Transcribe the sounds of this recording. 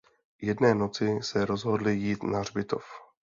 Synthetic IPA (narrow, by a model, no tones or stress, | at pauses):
jɛdnɛːno̞t͡sɪsɛɾo̞zɦo̞dlɪjiːt̪nar̝bɪt̪o̰f